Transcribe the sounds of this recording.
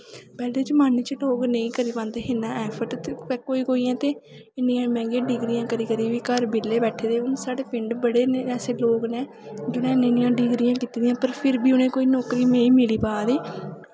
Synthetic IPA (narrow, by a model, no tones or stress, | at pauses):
pɛːleːd͡ʒəmaːniːt͡ʃəʈoːɡnə̃ĩːkəɾiːpãnd̪eːɦɪnãːʔɛːpʰəʈt̪ːpɛːkoːiːkoːiːɛ̃ːt̪eː | ɪnijãːmɛ̃ːɡẽːɖiːɡɾijãːkəɾiːkəɾiːʋiːkəɾbɪlːeːbɛːʈʰeːd̪eːʊnsaːɽeːpɪɳɖbəɽeːneɛːseːloːɡnẽː | d͡ʒʊnɛ̃ːnẽːnɪ̃jãːɖiːɡɾɪjãːkiːt̪iːd̪ɪjãːpəɾpʰɪɾbiːʊnẽːkoːiːnɔːkɾiːmẽːĩːmɪliːpaːd̪iː